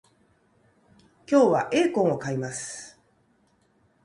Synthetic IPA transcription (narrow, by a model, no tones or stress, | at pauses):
kʲo̞ːβaʔe̞ːkõ̞ɰ̃o̞kaimasɨ̥